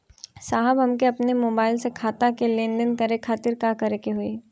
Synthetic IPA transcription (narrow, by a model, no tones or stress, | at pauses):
saːɦəbɦɐmkeɐpnemoːbaːɪlsekʰaːt̪akelẽːnɖənkɐɾekʰaːt̪ɪɾkakɐɾekeɦʊeː